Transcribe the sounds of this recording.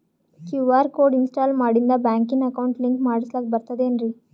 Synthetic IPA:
kjuːʋaːɾkoːɾɖinsʈaːlmaːɽind̪ɐbaːŋkinɐkɐwuɳʈliŋkmaːɽislaːkebɐɾt̪ɐd̪eɐnɾi

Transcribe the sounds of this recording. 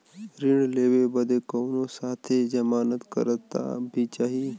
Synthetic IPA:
ɾɪɽleːwebəd̪ekoːnõsaːt̪ʰed͡ʒɐmaːnət̪kə̰ɾət̪ːa̰bʱit͡ʃaːɦie

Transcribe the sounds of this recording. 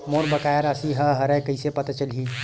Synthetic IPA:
moːɾbɐkaːjaɾasiɦɐɦɐɾɛ̃kɐisepɐt̪at͡ʃəlɦiː

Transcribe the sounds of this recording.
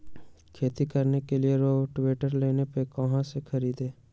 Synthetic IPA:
kʰeːt̪ikəɾnekelɪeɾoːʈʋeːʈəɾleːnepekəɦãsekʰəɾiːd̪eː

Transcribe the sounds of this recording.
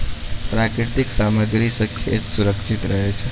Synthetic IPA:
pɾakɾɪɾt̪iksaməɡɾisəkʰjjḛt̪suɾəkʃit̪ɾəɦet͡ʃʰe

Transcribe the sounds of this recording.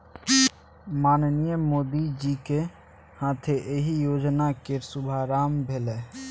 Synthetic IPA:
maːnnijəmoːd̪id͡ʒike | hãːt̪ʰeʔeɦijoːd͡ʒnakeɾsʊbʱaɾaːmbʱelɛ

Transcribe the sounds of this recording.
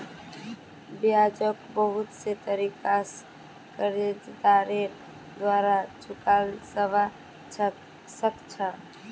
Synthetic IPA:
bijad͡ʒəkbəɦʊt̪set̪əɾikas | kəɾed͡ʒd̪aɾe | d̪waɾat͡ʃʰukalsəba | səkt͡ʃʰa

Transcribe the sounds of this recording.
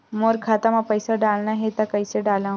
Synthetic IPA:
moɾkʰat̪amapəjsaɖalnaɦet̪akəjseɖalã

